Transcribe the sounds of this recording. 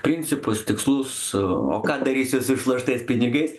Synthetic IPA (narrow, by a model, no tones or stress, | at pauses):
pʲɾʲɪnʲsʲɪpʊst̪ʲɪkslˠʊs | o̰ːkɑːd̪ɐɾʲiːsʲʊsɪʃlˠɐʃt̪ɐɪspʲɪnʲɪɡɐɪs